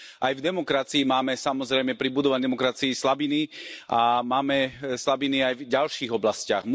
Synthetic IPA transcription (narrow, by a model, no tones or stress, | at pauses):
ʔajvd̪ɛmɔkɾat͡siːmaːmɛsamɔzɾɛjmɛpɾibud̪ɔʋaɲd̪ɛmɔkɾat͡siːslabiniamaːmɛslabiniajvɟalʃiːɣɔblascɪaɣm